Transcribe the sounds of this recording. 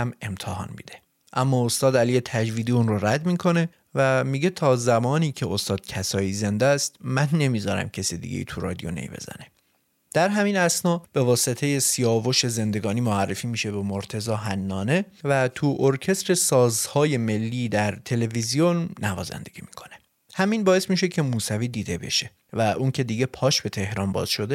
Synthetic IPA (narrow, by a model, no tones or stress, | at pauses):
æme̞mt̪ʰehɒ̰ːnmḭːd̪̥e̞ | ʔæmːɒːost̪ɒːd̪ælije̞t̪ʰæd͡ʒviːd̪iːunroɾæd̪miːkʰo̞ne̞ | væmiːɟet̪ʰɒːzæmɒːniːcʰeost̪ɒːd̪̥̚cʰæsɒːjiːze̞nd̪æst̪mænːe̞miːzɒːɾæ̰mcʰesid̪ḭɡḛjḭːt̪ʰuɾɒ̰ːd̪ijo̞̰nḛjbe̞̰zæ̰ne | d̪̥æɾɦæmiːnæsnɒːb̥e̞vɒːse̞t̪ʰe̞je̞sijɒːvo̞ʃe̞ze̞nd̪e̞ɡɒːniːmoærːefiːmiːʃe̞be̞moɾt̪ʰe̞zɒːɦænːɒːne̞væt̪ʰuʔoɾcʰe̞st̪ɾe̞sɒːzhɒːje̞me̞lːiːd̪æɾt̪ʰe̞le̞vizijonːævɒ̰ːzæ̰nd̪e̞ɡ̥ʲiːmi̥kʰo̞̥ne̞ | hæmiːnbɒːe̞smiːʃe̞cʰe̞muːsæviːd̪iːd̪e̞be̞̰ʃe̞ | væʔuncʰe̞d̪iːɟe̞pʰɒːʃbe̞t̪ʰe̞hɾɒːnbɒ̰ːz̥ʃo̞d̪e